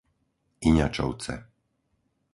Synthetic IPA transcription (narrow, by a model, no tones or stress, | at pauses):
iɲa̰t͡ʃɔ̰ʊt͡sɛ̰